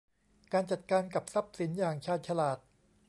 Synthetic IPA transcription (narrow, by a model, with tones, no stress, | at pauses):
kaː˧nt͡ɕa˨˩t̪̚kaː˧nka˨˩p̚sa˦˥p̚si˩˦njaː˨˩ŋt͡ɕʰaː˧˩t̪̚t͡ɕʰa˧laː˨˩t̪̚